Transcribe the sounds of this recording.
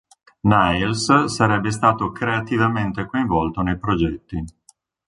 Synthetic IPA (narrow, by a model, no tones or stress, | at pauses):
najlssaɾɛbːes̬t̪aːt̪okɾeat̪ivament̪ekoĩɱvɔlt̪onejpɾod͡ʒɛt̪ːi